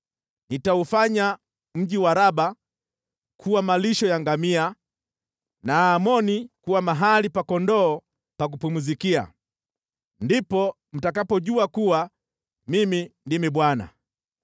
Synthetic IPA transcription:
nitaufaɲa | m̩ʄiwaɾaɓa | kʰuwamaliʃɔjaŋɡamia | naːmɔnikuwamaɦalipakɔndɔː | pak̬upumuzikia̰ | ndipɔ | m̩takapɔʄuakuwa | mimindimiɓwana̰

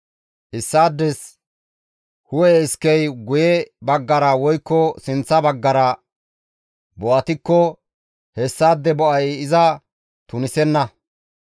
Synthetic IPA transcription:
ʔɪsːaːd̪ːɛs | hʊwɛɪskɛjɡʊjɛbɐɡːɐɾɐwɔjkːɔsɪnt͡sːɐbɐɡːɐɾɐ | bɔʔɐt̪ɪkːɔ | hɛsːaːd̪ːɛbɔʔɐjɪzɐ | t̪ʊnɪsɛnːɐ

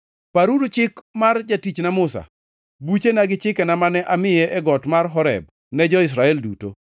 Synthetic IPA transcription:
paɾudut͡ʃɪkmard͡ʒatit͡ʃnamʊsa̰ | but͡ʃenaɡɪt͡ʃɪkɛnamanɛʔamɪjɛʔɛɡɔtmarɦɔɾɛ̰b̚ | nɛd͡ʒɔɪs̬ɾaɛlduto̰

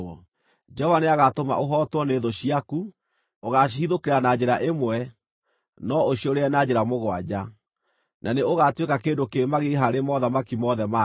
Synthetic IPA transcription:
d͡ʒɛɔvaneaɣatoma̰ʔoɦɔtwɔneðoɕiaku | oɣaiðokeɾanad͡ʑeɾaʔemwɛ | nɔoɕioɾeɛnad͡ʑeɾamoɣwad͡ʑa | nʔaneoɣatwekakeːndokemaɣeɦaɾemɔðamakimɔðɛma

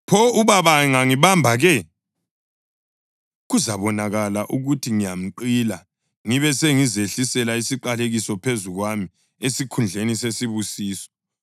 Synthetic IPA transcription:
pʰɔuβaβaŋaŋiβambʱaɣɛ | ɣuzaβɔnaɣalaʔuɣutʰiŋijam̩ǃila | ŋiβɛseŋizeɬisɛlaisiǃaleɣisɔpʰezuɣwami | esikʰund͡ɮʱenisesiβusiːsɔ̥

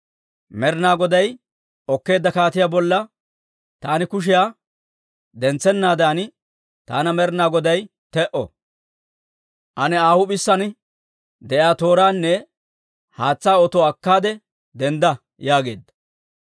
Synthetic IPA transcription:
mɛɾnaːɡɔd̪ɐj | ɔkːe̞ːd̪ːɐkaːt̪ɪjaːbɔlːɐ | t̪aːnɪkʊʃ̬ɪjaː | d̪ɛnt͡sːɛnːaːd̪aːn | t̪aːnɐmɛɾnaːɡɔd̪ɐj | t̪ɛʔɔ̰ | ʔɐnɛaːhʊbɪsːɐn | d̪ɛʔaːt̪o̞ːɾaːnːɛ | haːt͡sːaːɔt̪ɔɐkːaːd̪ɛ | d̪ɛnd̪ɐ | jaːɡe̞̰ːd̪ːɐ̥

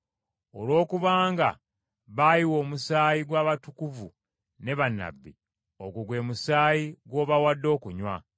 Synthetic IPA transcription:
o̞lwo̞ːkuβaːŋɡa̰ | βajiwo̞ːmusaːjiɡwaːβatukuvu | ne̞βanːa̰bːi | o̞ɡuɡwe̞ːmusaːjiɡwo̞ːβawadːo̞ːkuɲwa̰

